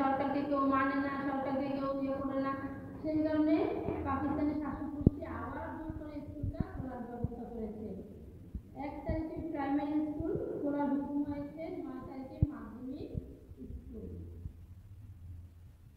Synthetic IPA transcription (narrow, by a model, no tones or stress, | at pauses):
ɔɾkaɾd̪ikewmanenaʃɔɾkaɾd̪ikeopiekoɾena | ʃejd͡ʑɔɾonepakist̪aneʃaʃokuɾʃiabaɾb̪ʱokoɾeskulkaoɾaɾbʱɔbot̪okoɾet͡ɕʰen | ɛkt̪aɾikepɾajmaɾiskulkoɾabʱukumɦɔjet͡ɕʰenbaet̪aɾikemad̪ʱːomiɾiskul